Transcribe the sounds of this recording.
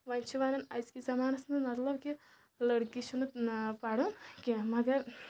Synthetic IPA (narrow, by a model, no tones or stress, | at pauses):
ʋɐnʲt͡ʃʰuʋaːnɐnɐjskizɐmaːnɐsnɨmɐt̪lɐbki | lɐɽkit͡ʃʰunɨpaɽukʲimɐɡɐɾ